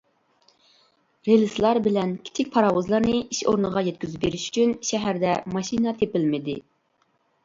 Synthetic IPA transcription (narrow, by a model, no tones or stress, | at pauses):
ɾelɪslˠɑɾbɪlɛnkʲʰi̥t͡ʃʰɪk̚ʲpʰɑɾɑwuzlˠɑɾnɨʔiʃo̰ɾnəʁɑjɛt̪̚kʲyzɪp̚beɾiʃy̥t͡ʃʰynʃɛɦæɾd̪ɛmɑʃinɑt̪ʰepɪlmɪd̪ɪ̰